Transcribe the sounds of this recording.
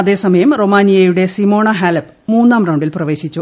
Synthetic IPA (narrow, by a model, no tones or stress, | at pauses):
ɐðe̞ːsɐmɐjɐmro̞maːnijɐjuɽe̞simo̞ːɳɐɦaːlɐp | muːnːaːmraɐwɳɖilprɐʋe̞ːɕit͡ɕːu